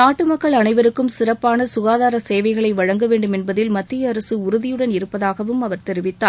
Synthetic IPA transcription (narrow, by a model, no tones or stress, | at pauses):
naːʈːɯmɐkːɐɭɐnɐɪʋɐɾɯkːɯmsɪrɐpːaːnɐsʊɣaːðaːɾɐseːʋɐɪɣɐɭɐɪʋɐɻɐŋɡɐʋeːɳɖɯmɛnbɐðɪlmɐt̪ːɪjɐːɾɐsɯʊɾʊðɪjɯɽɐnɪɾɯpːɐðaːɣɐʋɯmɐʋɐɾt̪ɛɾɪʋɪt̪ːaːɾ